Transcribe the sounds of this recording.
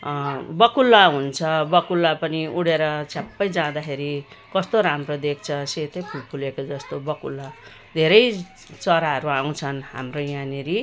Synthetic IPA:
bʌkulːaɦunt͡sʰʌbʌkulːapʌniuɽeɾʌt͡sʰjapːʌjd͡zãd̪akʰeɾi | kʌst̪oɾamrod̪ek̚ʰt͡sʰʌset̪ʌjpʰulpʰulekod͡zʌst̪obʌkulːa | d̪ʱeɾʌj | t͡sʌɾaɦʌɾuaw̃t͡sʰʌnɦa̰mrojaneɾi

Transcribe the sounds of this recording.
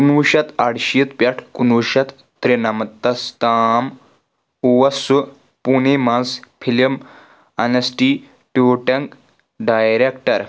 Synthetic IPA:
kunʋuʃɐt̪aɽʃijət̪pʲjaʈʰkunʋuʃɐt̪ːɾenamɐt̪ːɐst̪aːm | uʋɐsu | punemãnspʰilim | ɐnɐsʈi | ʈoʈɐŋk | ɖajɾekʈɐɾ

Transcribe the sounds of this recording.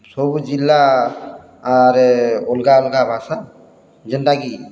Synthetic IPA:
sobud͡ʒilːa | aɾʊlɡaolɡabʱaːsa | d͡ʒənd̪aɡi

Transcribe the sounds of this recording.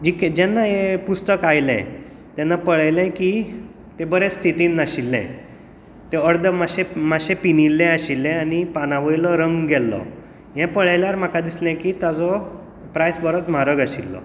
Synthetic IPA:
d͡ʑikɛd͡ʑɛnːaɦepust̪əkajlɛ̰̃ | t̪jɛnːapəɭajlɛ̃ki | t̪ebəɾet͡sːt̪ʰit̪inːaɕilːɛ̰̃ | t̪eəɾd̪əmaɕẽmaɕẽpinilːɛ̃aɕilːɛ̃anipanaʋəjlɔɾəŋɡɡɛlːɔ̰ | jɛ̃pəɭajljaɾm̤akad̪islɛ̃kit̪ad͡zɔ | pɾajsbəɾət͡sm̤aɾəɡaɕilːɔ̰

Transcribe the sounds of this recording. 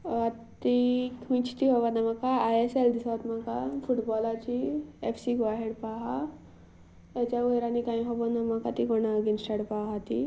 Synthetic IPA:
at̪ikʋĩt͡ɕt̪iɦoʋanamakaajeseld̪isaʋt̪makafuʈbɔlat͡ɕiefsikʋaɦeɽpaɦa | at͡ɕjauɦeɾanikãĩɦobonamakat̪ikɔnaɡinsʈaɽpaɦat̪i

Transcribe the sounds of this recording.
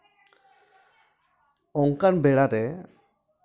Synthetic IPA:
ɔŋkanbɛɽaɾɛ

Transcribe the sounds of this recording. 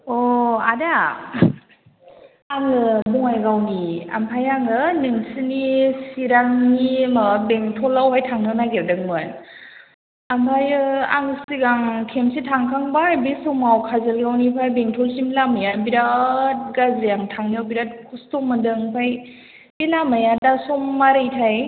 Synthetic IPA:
ɔada | aŋɯbuŋajɡawnia̰mpʰajaŋɯnɯŋsinisiɾaŋnimabeŋtʰɔlawɦajtʰaŋnɯnaɡeɾdɯk̚mɯn | ampʰajɯa̰ŋsiɡaŋkʰemsitʰaŋkʰaŋbajbisɔmawkʰazɯlɡawnipʰajbeŋtʰɔlsimilamajabiɾat̚ɡazijaŋtʰaŋniawbiɾat̚kʰustɔmɯdɯŋpʰaj | bilamajadasɔmːaɾɯjtʰaj

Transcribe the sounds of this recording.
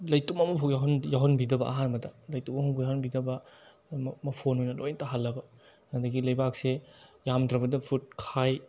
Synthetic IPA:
lɐjtumɐmɐpʰojaɦɐnjaɦɔnbidɐbɐʔa̰ɦanmɐdɐlɐjtumɐmɐpʰujaɦɔnbidɐbɐ | mɐpʰonhojnɐlojntaɦalːɐbɐ | nɐdɐɡilɐjbaksejamdɾɐbɐdɐpʰut̚kʰaj

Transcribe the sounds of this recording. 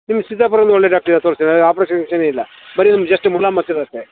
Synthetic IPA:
nimːɐsid̪ːaːpɐɾɐʋɐnd̪uɔɭːeːɖaːk̚ʈɐɾnãt̪oːɾisinɐðaːpɾoːst͡ʃɐneːilːɐ | bɐɾinɐmːɐd͡ʒɐsʈːɨmulaːmːɐt̪ːɐðɐːsʈ̪e

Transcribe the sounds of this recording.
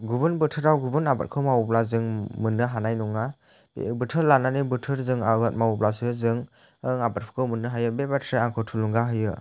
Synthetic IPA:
ɡubɯnbɯtʰɯɾawɡubɯnaba̰t̚kʰɯmawplazɯŋmɯnːɯɦanajnuŋa | bḛbɯtʰɯɾlananibɯtʰɯɾzɯŋabat̚mawplasɯzɯŋ | ɯŋabat̚pʰɯ̥kʰɯmɯnːɯɦajɯbebatʰɾeaŋkʰɔtʰuluŋɡaɦɯjɯ

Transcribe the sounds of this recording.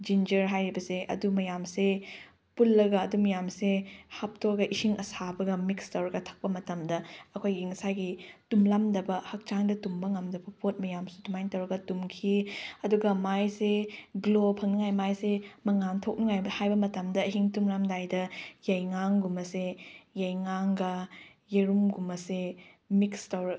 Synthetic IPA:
d͡ʒind͡ʒɐɾɦajɾibɐseʔɐ̰dumɐjamse | pulːɐɡɐːdumɐjamsehap̚toɡɐʔihiŋɐsabɐɡɐmikstɐwɾɐɡɐtʰɐ̥k̚pɐmɐtɐmdɐɐkʰojɡiŋɐsajɡitumlamdɐbɐhɐk̚t͡ʃaŋdɐtumbɐŋɐmdɐbɐpʰot̚mɐjamsu̥tumajntɐwɾɐɡɐtumkʰiɐduɡɐmajseɡlopʰɐŋnɐŋajmajsemɐŋantʰok̚nɐŋajbɐhajbɐmɐtɐmdɐɐɦiŋtumɾamdajdɐjɐjŋaŋɡumɐsejɐjŋaŋɡɐ | jeɾumɡumɐse | mikstɐwɾɐ

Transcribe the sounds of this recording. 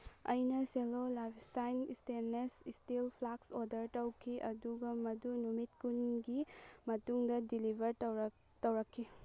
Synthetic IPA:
ɐ̰jnɐselolabistajnḭsteɾnesistilpʰlaksoɾdɐɾtɐwkʰiʔɐ̰duɡɐmɐdunumitkunɡimɐtuŋdɐdilibʱɐɾ | tɐwɾɐkʰːi

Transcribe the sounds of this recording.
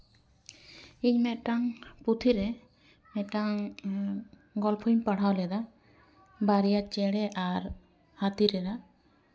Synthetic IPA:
iɲmɛʈaŋput̪ʰiɾɛ | mɛʈaŋ | ɡɔlpʰujmpaɽ̤awlɛd̪a | baɾijat͡ʃɛɽɛʔaɾ | hat̪iɾɛda

